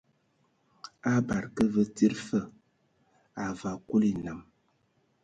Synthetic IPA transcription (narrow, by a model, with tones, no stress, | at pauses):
a˦ba˨ɾkə˦və˦ti˦ɾfə˦˨ | a˨va˨ku˦li˨na˨m